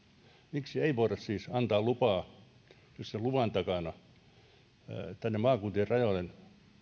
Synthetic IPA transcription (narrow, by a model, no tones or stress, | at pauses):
miksieiʋoirɑssiːsɑnt̪ɑːlupɑː | jysselluʋɑˑnt̪ɑkɑnɑ | t̪ænːemɑːkuːnt̪ierɑjoˑlen